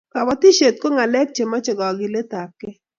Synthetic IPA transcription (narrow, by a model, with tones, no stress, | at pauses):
ka˨ba˦t̪i˦ʃe˨t̪̚ko˦ŋa˨lɛ˦k̚t͡ʃe˨mɔ˦t͡ʃɔ˨ɡɔ˨ɡɪ˨le˦t̪a˨kɪ˦